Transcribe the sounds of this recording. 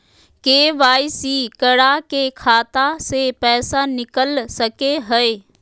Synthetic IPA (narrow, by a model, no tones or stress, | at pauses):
keːʋaːisiːkəɽakekʰaːt̪asepɛːsanɪkəlsəkeɦəeː